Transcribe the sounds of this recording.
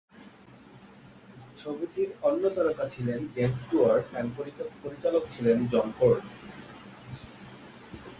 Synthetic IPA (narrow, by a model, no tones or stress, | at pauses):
t͡ɕʰobit̪iɾɔnːot̪aɾokat͡ɕʰilenɡemsʈuaɾɖɛmpoɾikopoɾit͡ɕalokt͡ɕʰilend͡ʑɔnfoɾɖ